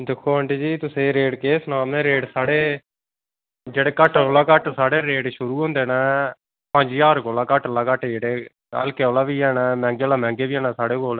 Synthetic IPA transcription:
d̪ɪkʰːoːəɳʈeːd͡ʒiːt̪ʊsẽːɾeːɖkeːsnaːmẽːɾeːɖsaːɽeː | d͡ʒeːɽeːkəʈolaːkəʈsaːɽeːɾeːɖʃʊɾuːɦõːnd̪eːnɛː | pə̃d͡ʒjaːɾkoːlaːkəʈlaːkəʈd͡ʒeːɽeː | ə̰lkeːoːlaːʋiːɛːnɛːmɛ̃ːŋɡeːlaːmɛ̃ːŋɡeːʋiːɛːnaːsaːɽeːɡoːl

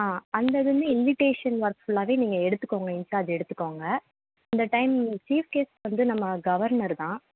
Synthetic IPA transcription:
aːɐnd̪ɐðɯmɯɪnʋɪʈeːʂɐnʋɐɾkfʊlaːʋeːniːŋɡɐɛɽɯt̪ːɯkːoːŋɡɐɪnt͡ʃɯɐðɯɛɽɯt̪ːɯ̥kːoːŋɡɐ | ɐnd̪ɐʈɐɪmt͡ʃiːʋkeːsʋɐnd̪ɯnɐmːɐɡɐʋɐɾnɐɾt̪ãː

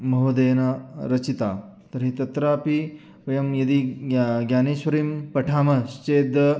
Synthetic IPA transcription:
mɐɦud̪eːnɐɾɐt͡ʃit̪aː | t̪ɐɾɦit̪ɐt̪ɾaːpi | ʋɐjɐmjɐd̪iɡjaːneːʃʋɐɾiːmpɐʈʰaːmɐʃt͡ʃeːd̪ɐ

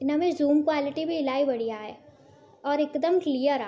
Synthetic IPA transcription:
ɪnɐmezuːmkwaːlɪʈibʱiɪlaːibɐɽ̤ijaɦɛː | ɔːɾɪkd̪əmklijəɾa

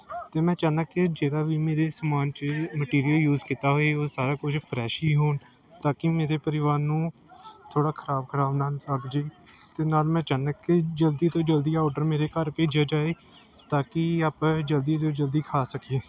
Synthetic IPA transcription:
t̪eːmɛ̃ːt͡ʃaːnãːkɪd͡ʒeːɾaːʋiːmeːɾeːsəmaːnt͡ʃməʈiːɾijəljuːzkit̪aːɦoːeːoːsaːɾaːkʊt͡ʃʰpʰɾɛːʃiːɦoːn | t̪aːkɪmeːɾeːpəɾɪʋaːɾnũː | t̪ʰoːɽaːkʰəɾaːbkʰəɾaːbnaːltəɾd̪d͡ʒeːt̪eːnaːlmɛ̃ːt͡ʃaːnaːkɪd͡ʒəld̪iːt̪õːd͡ʒəld̪iːaɔːɖəɾmeːɾeːkəɾpeːd͡ʒaːd͡ʒaːeː | t̪aːkɪaːpɛ̃ːd͡ʒəld̪iːt̪oːd͡ʒəld̪iːkʰaːsəkieː

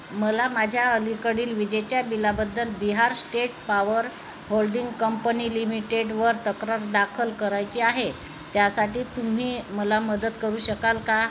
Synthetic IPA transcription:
məlamad͡ʑʱjaəlikəɽiːlʋid͡ʑet͡ɕjabilabəd̪ːəlbiɦaɾsʈeʈ̚paʋəɾ | holɖiŋɡkəmpəniːlimiʈeɖʋəɾt̪əkɾaɾd̪akʰəlkəɾajt͡ɕiːaɦe | t̪jasaʈiːt̪um̤iːməlaməd̪ət̪kəɾuːɕəkalka

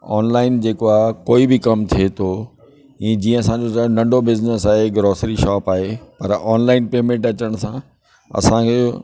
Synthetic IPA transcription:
ɔːnlaːɪnd͡ʑeːkoaːɦkoːibɪkɐmt̪ʰiet̪ʰo | ĩːd͡ʑĩːə̃ɐsãd͡ʑotaonɐ̃ɳɖʱobɪznəsaːɦeɡɾoːsɾiʃaːpaːɦepɐɾaːnlaːɪnpeːmẽɳʈɐt͡ɕəɽ̃sã | ɐ̰sãkʰeː

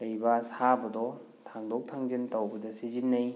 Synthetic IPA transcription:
lɐjbasabɐdɔ | tʰaŋdok̚tʰaŋd͡ʒintɐwbɐdɐsizinːɐj

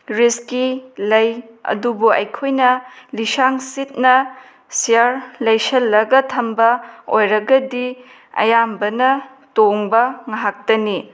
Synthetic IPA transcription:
ɾiskilɐjɐ̰dubuɐ̰jkʰojnɐlisaŋsit̚nɐ | sijaɾlɐjsɐlːɐɡɐtʰɐmbɐojɾɐɡɐdi | ɐ̰jambɐnɐ | toŋbɐŋaɦak̚dɐni

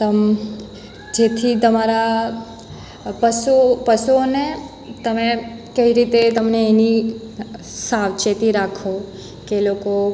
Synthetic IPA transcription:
t̪əm | d͡ʒet̪ʰit̪əmaɾa | pəsupəsuone | t̪əmekəiɾit̪et̪əmneːni | saʋt͡ʃet̪iɾakʰo | keloko

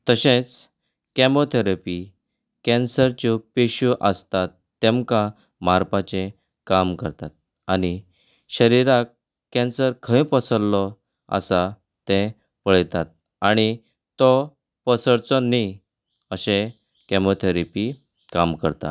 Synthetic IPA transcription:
t̪əɕẽt͡s | kɛmot̪ʰeɾepi | kɛ̃nsəɾt͡ɕupeɕuʔəst̪at̪ːẽmka | maɾpat͡ɕẽ | kamkəɾt̪at̪̚ | ani | ɕəɾiɾak | kːɛ̃nsəɾkʰə̃ĩpəsəɾlɔ | ə̰sa | t̪ɛ̃ | pəɭt̪at̪̚ | aɽ̃i | t̪ɔ | pəsəɾt͡sɔni | əɕẽ | kɛmot̪ʰeɾipi | kamkəɾt̪a̰

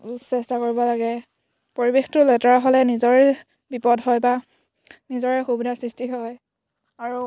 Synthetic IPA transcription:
sɛstakoɹibɔlaɡɛ | poɹibextʊlɛtaɹɦɔlɛnizɔɹɛ | bipɔdɦɔjba | nizɔɹɛxubidasɹistiɦɔj | aɹu

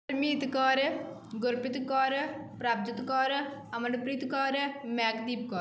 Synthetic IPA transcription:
ɾmiːt̪kɔːɾ | ɡʊɾpɪt̪kɔːɾpɾaːb̚d̪ɪt̪kɔːɾəmənpɾiːt̪kɔːɾmɛːkd̪iːp̚kɔː

